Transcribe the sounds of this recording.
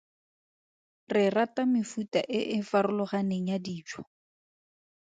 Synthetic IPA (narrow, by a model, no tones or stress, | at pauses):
rɪratamɪfuta̰ʔɪʔɪfarʊlʊχaneŋ̩jadiːt͡ʃʰwɔ̥